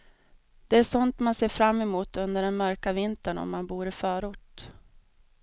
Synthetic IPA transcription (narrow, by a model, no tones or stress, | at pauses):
d̪̥ɛæʂɔnt̪manseːfɾamːɛmuːt̪ɵnd̪əɖɛnmœɾkavɪnt̪əɳɔ̰mːanbuːɾɪfœːɾʊʈ